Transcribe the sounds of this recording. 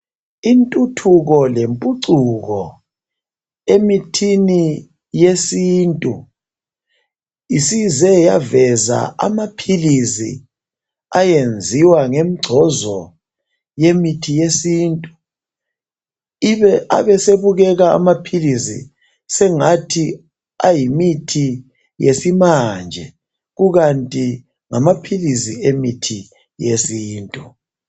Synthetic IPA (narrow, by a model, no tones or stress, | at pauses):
intʼutʰuɣɔlempʼuǀuɣɔ | emitʰini | jesiːntʼu | isizɛjavɛza̰a̰mapʰilisḭ | ajend͡zʱiwaŋemiɡ͡ǀʱɔzɔ | jemitʰijesiːntʼu̥ | iβɛʔa̰βɛseβuɣɛɣa̰ːmapʰilisḭ | sɛŋatʰi | a̰jimitʰi | jesimand͡ʒʱɛ̰ | ɣuɣantʼi | ŋamapʰilisiemitʰi | jesiːntʼu